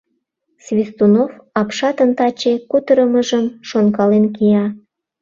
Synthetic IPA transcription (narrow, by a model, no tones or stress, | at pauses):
svʲist̪unofɑpʃɑt̪ənt̪ɑt͡ɕekut̪əɾəməʒəmʃonkɑlenkiɑ